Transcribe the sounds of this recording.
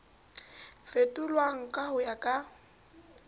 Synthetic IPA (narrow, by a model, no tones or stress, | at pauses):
fetʼʊlwaŋ̩kʼahʊjakʼa